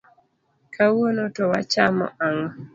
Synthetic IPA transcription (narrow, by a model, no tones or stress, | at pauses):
kʰawonotɔwat͡ʃamɔ̰ʔaŋɔ